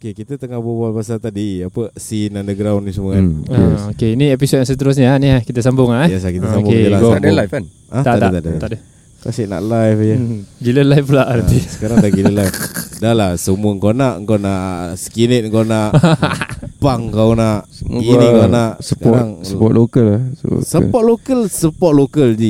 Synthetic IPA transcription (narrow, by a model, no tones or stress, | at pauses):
okekit̪ət̪əŋahbobalbasalt̪adiapəsinandəɡɾawnːisəməkɛokeiniepisot̚jãŋsət̪əɾʊs̬ɲaniakit̪əs̬ambʊŋajɛslahkit̪əs̬abkʊed͡ʒalaɡamdlaf | at̪aad̪at̪adət̪at̪adə | kasiʔna̰ʔlajfjəɡiləlajfplaʔnãt̪isə̥kaɾaŋdaɡiləlajfdalasəmuəŋkonaʔŋkonaʔsəkinət̪̚ŋkonaʔ | paŋkawnaʔ | inikonaʔsəpkaɔɾaŋsəpɔtlokəl̰səɔt̪̚lokəlsəpɔt̪̚lokəld͡ʒi